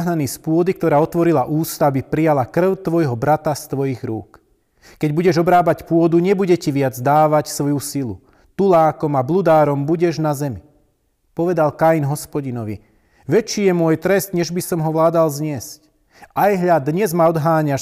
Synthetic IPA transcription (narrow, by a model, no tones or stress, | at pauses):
ɦnanispʊɔd̪ik̚t̪ɔɾaːɔt̪ʋɔɾilaʔuːst̪aabipɾijalakr̩ʊt̪ʋɔjɦɔbɾat̪ast̪ʋɔjiɣɾṵːk | kɛɟbuɟɛʒɔbɾaːbacpʊɔd̪uɲɛbuɟɛciʋɪad͡zd̪aːʋacsʋɔjusilu | t̪ulaːkɔmablud̪aːɾɔmbuɟɛʒnazɛmi | pɔʋɛd̪alkajinɦɔspɔɟinɔʋḭ | ʋɛt͡ʃːiːjɛmʊɔjt̪ɾɛst̪ɲɛʒbisɔmɦɔʋlaːd̪alzɲɪɛsc | ajɦʎad̪ɲɛzmaɔd̪ɦaːɲaʃ